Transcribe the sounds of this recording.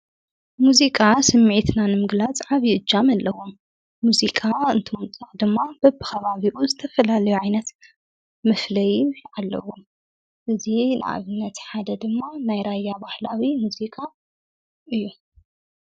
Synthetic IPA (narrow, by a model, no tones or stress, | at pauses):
muzikʼasɐmːʕit̪nanɨmɨɡlat͡sʼʕaβjɪʔɨd͡ʒːamalːɐwomː | uzikʼaɨnt̪ʰomɨt͡s̪ʼaχʼd̪ɨmːab̥ɐbɨxɐβaβiʔuzɨt̪ʰɐfɐlalɐjuʕajnɐt̪ | mɨflɐjalːɐ̰wom | ʔɨzinʔa̰βɨnːɐt̪ħad̪ɐd̪ɨmːanajɾajːabahlawimuzikʼa | ʔɨjːu